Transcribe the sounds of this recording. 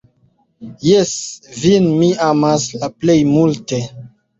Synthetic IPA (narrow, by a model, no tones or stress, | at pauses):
jesvinmiamaslaplejmulte